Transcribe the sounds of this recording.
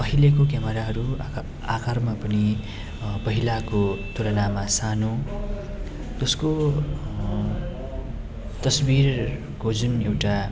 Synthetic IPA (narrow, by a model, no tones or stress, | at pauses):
pʌɦilekok̬jamʌɾaɦʌɾu | akarmapʌni | pʌɦilakot̪ulʌnamasanũ | t̪ʌsko | t̪ʌsbir | kod͡zunewʈa